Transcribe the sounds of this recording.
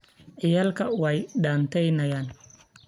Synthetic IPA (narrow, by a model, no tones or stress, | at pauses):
ʕɪjaːlkʰɐwɛjɖaːnt̪ʰɛjnɐjaːn